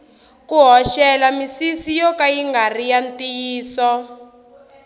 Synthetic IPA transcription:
kuɦɔʃɛlamisisijɔkajiŋɡarijantiːsɔ

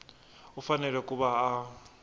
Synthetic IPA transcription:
ufanɛlwɛkʼuβaː

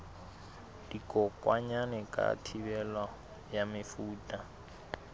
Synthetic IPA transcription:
d̥ikʼɔkʼwaɲanɛkʼa̰tʰibɛla | jamɪfuːtʼa

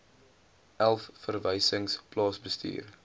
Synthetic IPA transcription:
ʔælˠfːərvɛjsəŋsplɑːsbəstḭːr

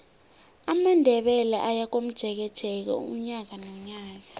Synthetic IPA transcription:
amandʱɛɓɛlaʔajak̬om̩d̥ʒ̥ʱɛk̬ɛd̥ʒ̥ʱɛk̬a̰ṵum̩ɲak̬anoɲaːk̬a

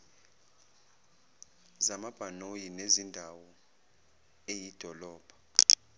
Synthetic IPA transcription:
zamab̥ʱanojinezindʱawɔ | ejid̥ʱɔlɔːb̥ʱɔ̥

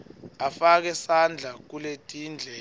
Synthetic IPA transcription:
afak̬ɛsand͡ɮʱak̬uletʼiːnd͡ɮʱɛ

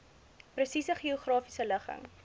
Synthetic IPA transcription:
prəsisəχioχrɑːfisələχə̰ŋ

